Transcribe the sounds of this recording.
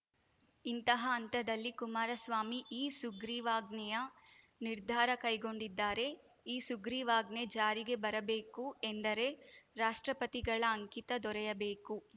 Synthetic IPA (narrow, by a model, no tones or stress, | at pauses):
int̪ɐɦɐːnt̪ɐd̪ɐlːikumaːɾɐsʋaːmiʔiːsuɡɾiːʋaːɡnɛjɐ | niɾd̪ʱaːɾɐkɐjɡo̞ɳɖid̪ːaːɾe̞ | iːsuɡɾiːʋaːɡne̞d͡ʒaːɾiɡe̞bɐɾɐbe̞ːkuend̪ɐɾe̞ɾaːʂʈɾɐpɐt̪iɡɐɭɐːŋkit̪ɐd̪ɔɾɛjɐbeːku